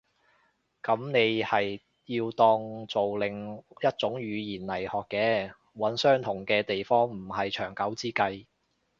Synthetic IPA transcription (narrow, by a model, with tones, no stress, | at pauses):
kɐ˨˥mne˨˧jhɐ˨j | jiː˧wt̪ɔː˧˥ŋt͡so˨wlɪ˨ŋjɐ˥t̚t͡sʊ˨˥ŋɥyː˨˧jiː˨˩nlɐ˨˩jhɔː˨kːɛː˧ | wɐ˨˥nsœː˥ŋt̪ʰʊ˨˩ŋkɛː˧t̪e˨jfɔː˥ŋm̩˨˩hɐ˨jt͡ʃʰœː˨˩ŋkɐ˨˥wt͡siː˥kɐ˧j